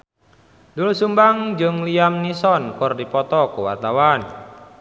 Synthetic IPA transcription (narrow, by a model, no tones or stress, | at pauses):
dulusumbaŋd͡ʒɨŋliamnisɔnkʊrdipɔt̪ɔkuwa̰rt̪awan